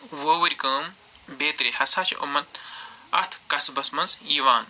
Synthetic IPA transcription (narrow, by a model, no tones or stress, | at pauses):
woːwɐɾʲkəːm | beːt̪ɾihɐsaːt͡ʃʰḭʔṵmɐt̪̚ɐ̰t̪ʰkɐsbɐsmɐnzjiʋaːn